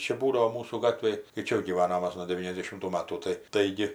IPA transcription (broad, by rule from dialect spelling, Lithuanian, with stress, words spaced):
ˈt͡ʃʲɛ ˈbuːdɐʋoː ˈmuːsuː ˈɡɑːtʲʋʲeːj tɐɪ ˈt͡ʃʲɛ jɛʊ ɡʲiːˈʋɑːnoːm ˈmɐs jɛʊ nuɔ dʲɛˈʋʲiːnʲɛzʲdʲɛʃʲɪmtuː ˈmɑːtuː ˈtɐɪ ˈtɐɪɡʲɪ